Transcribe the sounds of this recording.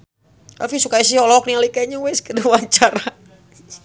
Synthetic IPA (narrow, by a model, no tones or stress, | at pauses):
ɛ̰lfisukaisihɔlɔk̚nialikaiɲuwɛskəduwaɲt͡ʃaɾa